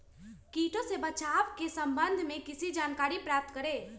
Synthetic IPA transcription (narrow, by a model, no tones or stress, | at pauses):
kiːʈõsebət͡ʃaːʋkesəmbənd̪ʱmẽkɪsid͡ʒaːnkaːɾipɾaːp̚t̪kəɾe